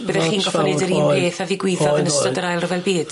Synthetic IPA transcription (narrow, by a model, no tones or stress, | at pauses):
b̥əðɛχiːnɡɔfɔnɛdəɾiːnbeːθaviɡwɪðɔðənəstɔdəɾajlˠrəvɛlˠbiːd̥